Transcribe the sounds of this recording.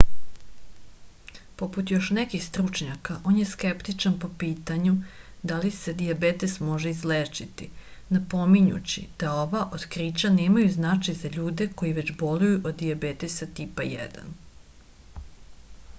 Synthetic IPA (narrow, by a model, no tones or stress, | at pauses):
po̞put̪jo̞ʃnekixst̪ɾut͡ʃɲakaʔo̞ːnje̞skept̪it͡ʃanpo̞piːt̪aɲud̪alise̞d̪iabet̪esmo̞ʒeizleːt͡ʃit̪inapo̞miɲṵt͡ɕḭd̪̥ao̞ʋaʔod̪kɾiːt͡ɕaneːmajuznat͡ʃajzaʎuːd̪e̞ko̞jiʋet͡ɕbo̞lujuʔod̪ːiabeːt̪esat̪ipajḛd̪a̰n